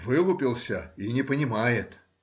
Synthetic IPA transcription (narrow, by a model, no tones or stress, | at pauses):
vɨlˠʊpʲɪlˠsʲəinʲɪpənʲɪmajɪt̪